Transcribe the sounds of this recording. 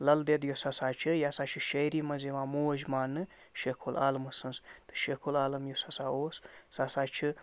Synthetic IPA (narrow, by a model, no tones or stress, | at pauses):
lɐld̪ed̪josɐsaːt͡ʃʰɨjaːsaːt͡ʃʰɨʃɐjɾiːmɐzeʋãːmuːʒmaːnːɨ | ʃekʰula̰ːlmɨsɨnst̪ɨ̥ʃekʰulaːlɐmjosɐsaːoːssasaːt͡ʃʰɨ